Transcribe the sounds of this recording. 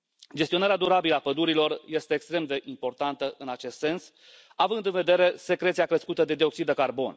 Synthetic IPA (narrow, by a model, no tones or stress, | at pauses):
d͡ʒe̞st̪ionaɾead̪uɾabiləapəd̪uɾilo̞rje̞st̪eːkst̪ɾe̞md̪e̞ʔimpo̞rt̪ant̪əʔɨnat͡ʃe̞st̪se̞ns | avɨnd̪ɨnve̞d̪e̞ɾe̞se̞kɾe̞t̪siakɾeskut̪əd̪e̞d̪io̞ksid̪əekarbo̞n